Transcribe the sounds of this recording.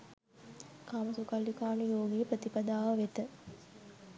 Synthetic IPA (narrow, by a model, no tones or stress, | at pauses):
kaːmɐsukalːikaːnujoːɡijəpɾət̪ipɐd̪aːʋəʋet̪ə